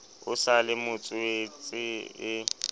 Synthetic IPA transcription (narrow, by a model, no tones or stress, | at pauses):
ʊsalɪmʊt͡sʼʊet͡sʼɪɪ